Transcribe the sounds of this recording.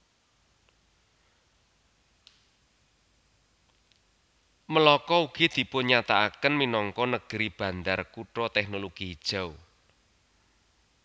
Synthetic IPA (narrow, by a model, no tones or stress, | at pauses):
məlɔkɔuɡ̥id̪̥i̤pʊnɲat̪aakənminɔŋkɔnəɡ̥ɾib̥ä̤nd̪arkuʈɾɔt̪ɛk̚nɔloɡ̥id̥ʒ̥a̤w